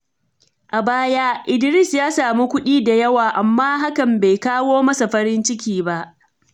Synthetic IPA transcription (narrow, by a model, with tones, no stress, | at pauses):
ʔa˨baː˦ja˦ʔɪ˨dɪ˨ɾɪ˦˨sjaː˦saː˨mu˦kʷʊ˦ɗiː˦da˨jɐ˦waː˨ʔa˨mːaː˦ɦa˦kɐ˨mbe˨jkaː˦woː˦mɐ˦sa˨ɸɐ˦ɾɪ˦nt͡ʃɪ˦k̬ʲiː˨ba˦ʔ